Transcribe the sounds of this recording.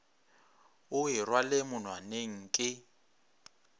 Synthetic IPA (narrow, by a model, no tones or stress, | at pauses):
ʊɦirwaleɪmʊn̤waneŋ̩kʼɪ